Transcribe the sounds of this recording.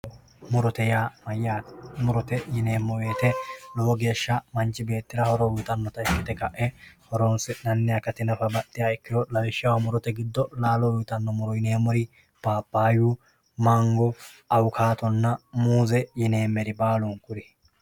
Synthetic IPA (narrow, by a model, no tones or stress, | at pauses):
mʊɾɔt̪ɛjaːmɐjaːmʊɾɔt̪ɛjɪneːmːɔwe̞ːt̪ɛlɔwɔɡe̞ːʃːɐmɐnt͡ʃːɪbe̞ːt̪ːɪɾɐhɔɾɔwʊt̪ʼɐnːɔt̪ɐɪkːɪt̪ːɛkɐʔɛhɔɾɔnsɛnɐnːɪjakːɐt̪ɪnɐfɐbɐt̪ːɪjaːɛkːɪjɔlɐwɛʃːɪjɐwɐmʊɾɔt̪ɛɡɪd̪ːɔlaːlɔwʊt̪ɐnːɔmʊɾɔjɪneːmɔɾɪ | b̥aːpːaːju | mɐŋɡɔɐwkʰaːt̪ɔnːɐmuːzɛjɪne̞ːmːɛɾɪbaːluŋkʊɾɪ